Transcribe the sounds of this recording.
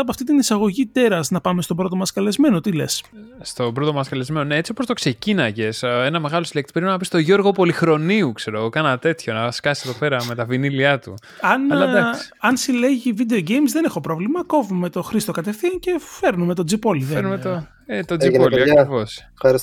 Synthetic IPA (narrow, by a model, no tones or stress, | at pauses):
ɐpoɐft̪it̪inisɐɣo̞ʝit̪e̞ɾɐznɐpɐme̞st̪obɾo̞t̪o̞mɐskɐle̞zme̞no̞t̪ile̞̰sst̪o̞bɾot̪omɐskɐle̞zmenone̞et͡siopːost̪o̞kse̞cinɐʝe̞se̞nɐme̞ɣɐlo̞sile̞k̚t̪ipeɾinnɐpist̪o̞ʝo̞ɾɣo̞po̞lixɾo̞niukse̞ɾoɣokɐnɐt̪e̞t̪ço̞nɐskɐsi̥seðo̞pe̞ɾɐme̞t̪ɐviniliɐt̪ṵ | ɐnlɐd̪ɐsɐnsile̞ʝivid̪e̞oɟejmzðene̞xo̞pɾo̞vlimɐko̞vume̞t̪o̞xɾist̪o̞kɐt̪e̞fθiɐnce̞fe̞ɾnume̞t̪o̞d͡zipo̞liðeeɾnumeo | et̪od͡ziliɐkivo̞s | ɐɾis